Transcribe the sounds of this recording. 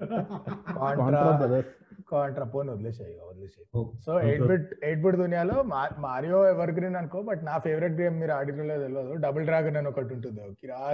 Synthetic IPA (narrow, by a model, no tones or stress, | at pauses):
kaːɳːɾaɾapkaːɳʈɾapoːnod̪let͡ʃejod̪let͡ʃesoːeʈbiʈeːʈ̚biʈd̪unijaːloːmamaːɾijoːeʋɐɾɡɾiːnɐnkoːbɐʈnaːpʰeːʋɾiʈ̚ɡɾeːmmiːɾuaːɖiɾɐloːt̪ɐlʋɐd̪oɖɐbɐlɖɾaːɡɐnɐnokɐʈːuɳʈund̪iokia